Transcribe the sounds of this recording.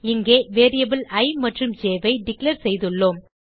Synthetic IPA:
ɪŋɡeːʋeːɾijɐbɪlɐɪmɐʈrɯmd͡ʒeːʋɐɪɖɪklɐɾsɛjðɯɭːoːm

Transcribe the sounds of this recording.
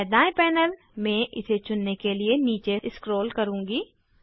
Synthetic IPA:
d̪aːẽpɛːnəl | mɛ̃ːʔɪset͡ʃʊnːekelieniːt͡ʃeɪskɾoːlkɐɾũːŋɡiː

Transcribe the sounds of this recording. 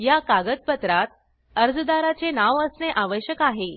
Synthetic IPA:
jakaɡəd̪̚pət̪ɾat̪̚ | əɾd͡zd̪aɾat͡senaʋəsneʔaʋəɕjəkaɦe

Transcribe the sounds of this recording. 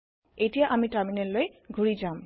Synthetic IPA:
ejtijaʔamitaminɛllojɡʱuɹizam

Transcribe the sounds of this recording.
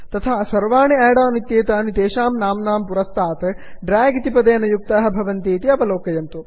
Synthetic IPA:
t̪ɐt̪ʰaːsɐɾʋaːɳiaːɽaːnit̪jeːt̪ɐːɐnit̪eːʃaːmnaːmnaːmpuɾɐst̪ʰaːt̪ɐ | ɖɾaːɡit̪ipɐd̪eːnɐjuk̚t̪ɐːɦɐ̆bʱɐʋɐnt̪eːt̪iɐʋɐloːkɐjɐnt̪u

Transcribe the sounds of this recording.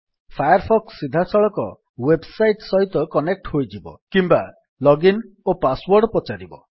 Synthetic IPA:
pʰajɔɾpʰɔksːid̪ʱasɔɭɔkɔ | websajʈsɔɦit̪ɔkɔnek̚ʈhojd͡ʒibɔ̰kimba | lɔɡin | opaswɔɾɖpɔt͡ʃaɾibɔ̰

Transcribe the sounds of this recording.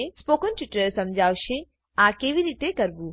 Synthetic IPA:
espoːkənʈɪʈːəɾsɐ̃md͡ʒʱaːwʃe | ãːkeːʋiɾiːt̪ekɐɾbu

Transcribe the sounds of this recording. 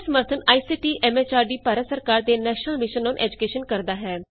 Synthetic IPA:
səməɾt̪ʰənaːiːsiːʈiːʔʔɛːmeːt͡ʃaːɾɖiːpaːɾət̪səɾkaːɾd̪eːnɛːʃnəlmɪʃənːonʔɛ̰ːd͡ʒʊkeːʃənkəɾd̪aːɦɛː

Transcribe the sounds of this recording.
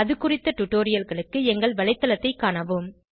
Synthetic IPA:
ɐðɯkːʊrɪt̪ːɐʈʊʈːoːɾɪjɐlɣɐɭɯkːɯɛŋɡɐɭʋɐɭɐɪt̪ːɐlɐt̪ːɐɪkːaːɳɐʋɯm

